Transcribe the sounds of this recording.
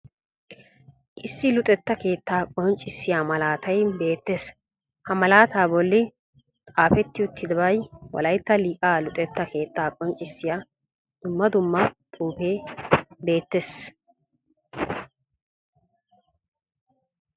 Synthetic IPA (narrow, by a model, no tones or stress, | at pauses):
ʔɪsːɪlʊt̪ʼɛt̪ːɐke̞ːt̪ːaːkʼɔnt͡ʃʼːɪsːɪjaːmɐlaːt̪ɐjbe̞ːt̪ːes | hɐmɐlaːt̪aːbɔlːɪ | t̪ʼaːfɛt̪ːɪʊt̪ːɪd̪ɐbɐjwɐ̰lɐjt̪ːɐliːkʼaːlʊt̪ʼɛt̪ːɐke̞ːt̪ːaːkʼɔnt͡ʃʼːɪsːɪjaː | d̪̥ʊmːɐd̪ʊmːɐt̪ʼuːpe̞ːbe̞ːt̪ːeːs